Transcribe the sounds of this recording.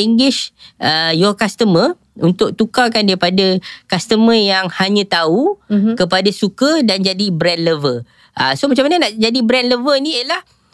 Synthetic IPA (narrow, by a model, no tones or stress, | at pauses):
iŋɡɪʃʔəjɔkast̪əmə | unt̪ʊk̚t̪ukakandaɾipadakast̪əməjaŋhaɲə̃t̪aukəpadasukədand͡ʒadibɾɛnləvə | ʔa̰somat͡ʃamanənaʔd͡ʒadibɾɛnləvənĩiəlah